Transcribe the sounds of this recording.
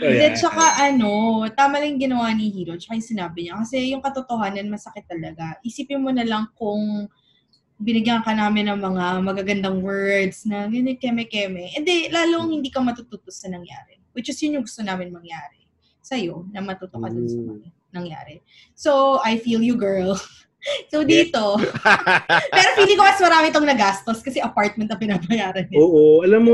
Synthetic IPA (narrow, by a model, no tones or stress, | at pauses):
d̪ɛt͡ʃɐkaʔɐno̞t̪aːmɐlɐŋjʊŋɡɪnɐwanihiːɾot͡ʃɐ̥kajʊŋsɪnaːbɪɲɐkɐsɛjʊŋkɐt̪ot̪oɦaːnɐnmɐsɐkɪt̪ːɐlɐɡaʔisiːpɪnmonɐlɐŋkʊŋ | bɪnɪɡjɐŋkɐnaːmɪnːɐŋmɐŋamɐɡaɡɐnd̪ɐŋwɛɹd̪snɐɡɐnɛkɛmɛkɛmɛʔɛnd̪ɛlaːloŋhɪnd̪iːkɐmɐt̪ut̪uːt̪osɐnɐŋja̰ːɾɛ | wɪt͡ʃɪsjʊnɲʊŋɡʊst̪onaːmɪnmɐŋjaːɾɛ | sɐjonɐmɐt̪uːt̪okɐd̪onsɐmɐ̰ | nɐŋja̰ːɾɛ | soʔɐjfiːljuɡɛɹl | sowd̪iːt̪o̞ | pɛːɾopid̪ɪŋkomɐsmɐɾaːmɪt̪oŋnɐɡast̪oskɐsɛʔɐpaɹt̪̚mɛnt̪ːɐpɪnaːbɐjaːɾɐnoːʔoʔɐlamːo